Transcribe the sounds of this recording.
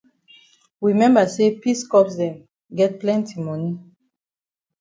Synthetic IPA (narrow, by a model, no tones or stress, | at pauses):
wimɛ̃mbasepiskɔpsdɛ̃m | ɡɛt̚plɛ̃ntimɔni